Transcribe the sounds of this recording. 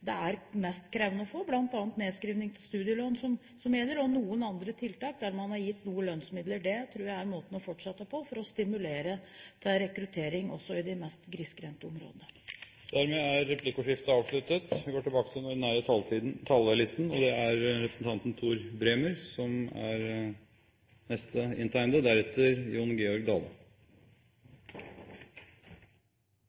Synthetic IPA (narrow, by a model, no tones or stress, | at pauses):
d̪ɛæɾmɛst̪kʰɾɛʋənəɔfoːblɑnt̪ɑːnt̪neːskɾiːʋnɪŋt̪ʰɪlst̪ʉːd̪ɪəloːnsɔm | sɔmjɛlːəɾɔnuːənɑnd̪ɾət̪ʰɪlt̪ɑːk̚d̪æɾmɑnhɑɾjɪt̪ːnuːəlœnsmɪd̪ləɖɛt̪ʰɾuːɾjæɪæɾmoːt̪n̩ɔfɔʈʂɛt̪ːəpʰɔfɔɾɔst̪ɪmʉleːɾət̪ʰɛɾɛkɾʉt̪ʰeːɾɪŋɔ̰sːɔɪd̪ɪmɛst̪ɡɾɪskɾɛnt̪əɔmɾo̰ːd̪ənə | d̪̥æɾmeːæɾːɛpʰlɪkʊʂɪft̪əɑːʋʂɭʉt̪ət̪ʋɪɡoːʈɪlbɑːkət̪ʰɪlnɔɖɛnæːɾət̪ʰɑlt̪ʰɑːld̪ɛlɪst̪n̩ɔd̪ɛæɾɾɛpɾəsn̩t̪ɑnt̪nt̪ʰuːɾbɾeːməɾsɔmæ̰ɾ | nɛst̪ʰəɪ̰nt̪ʰæɪnd̪əd̪æɾɛt̪ːəɾjuːnɡeːɔɾɡ̚d̪ɑːlə